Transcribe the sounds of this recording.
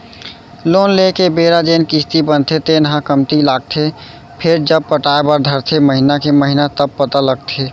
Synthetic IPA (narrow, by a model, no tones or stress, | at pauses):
lonlekebeɾad͡ʒenkist̪ibənt̪ʰet̪enɦãkəmt̪ilaɡ̚t̪ʰe | pʰeɾd͡ʒəb̚pəʈaebəɾd̪ʱəɾt̪ʰeməɦinakeməɦinat̪əb̚pət̪aləɡ̚t̪ʰe